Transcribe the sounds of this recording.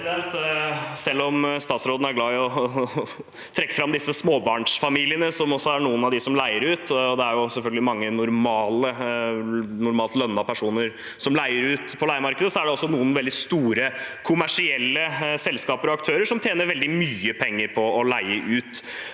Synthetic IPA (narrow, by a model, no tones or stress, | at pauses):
ɛnt̪sɛlːɔmst̪ɑːt̪sɾoːd̪n̩æɾɡlɑːɪɔ | t̪ʰɾɛkːə̥fɾɑmd̪ɪsːəsmoːbɑːɳʂfɑmiːlɪənəsɔmɔsːɔæɳuːənɑʋd̪ɪsɔmlæɪəɾʉːt̪ɔd̪ɛæɾjʊsɛlfœlɡəlɪmɑŋːənʊɾmɑːlə | nʊɾmɑːlt̪lœnːɑpʰæʂuːnəɾ | sɔmlæɪəɾʉːt̪pʰɔlæɪəmɑɾkəd̪əsɔæɖɛɔsːɔnuːənʋɛld̪ɪst̪uːɾəkʰʊmæʂɪɛlːəsɛlskɑːpəɾɔɑkt̪ʰøːɾəʂɔmt̪ʰjeːnəɾʋɛld̪ɪmyːəpʰɛŋːəɾpʰɔɔlæɪəʔʉːt̪